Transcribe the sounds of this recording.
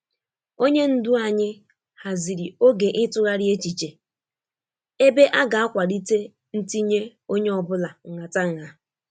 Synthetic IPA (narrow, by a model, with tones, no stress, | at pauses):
o˦ɲe˦n̩˦dʊ˦a˨ɲɪ˦ | ha˨zi˨ɾi˨o˦ɡe˨ʔɪ˦tʊ˦ɾa˦ɾje˦t͡ʃi˨t͡ʃe˨ | e˦be˦ʔa˦ɡa˨a˦kʷa˨ɾi˦te˦ | n̩˦ti˦ɲe˦o˦ɲe˦ɔ˨bʊ˦la˨ŋ̩˨ŋa˨ta˦ŋ̩˨a˨